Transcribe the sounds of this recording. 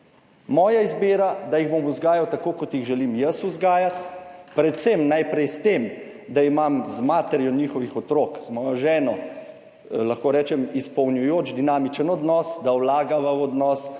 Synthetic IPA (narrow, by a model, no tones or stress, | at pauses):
mɔːjaizbeːɾad̪ajiɣbomuzɡaːjawt̪akoːkɔt̪jiɣʒɛlimjəsuzɡaːjat̪pɾɛt̪semnajpɾɛjst̪em | d̪aimamzmaːt̪ɛɾjɔniːxɔʋixɔt̪ɾoːkzmɔːjɔʒɛːnɔ | laxkoːɾɛːt͡ʃɛmispɔwnjujoːd͡ʒd̪inaːmit͡ʃənɔd̪nɔsd̪awlaːɡaʋəɔd̪nɔːs